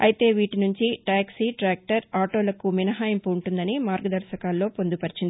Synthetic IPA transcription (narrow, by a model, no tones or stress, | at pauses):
ɐjit̪e̞ːʋiːʈinuɲt͡ʃiʈaːksiʈɾaːk̚ʈɐɾaːʈo̞ːlɐkuminɐɦaːjimpuːɳʈund̪ɐnimaːɾɡɐd̪ɐɾsɐkaːlːo̞ːpo̞nd̪upɐɾit͡ʃin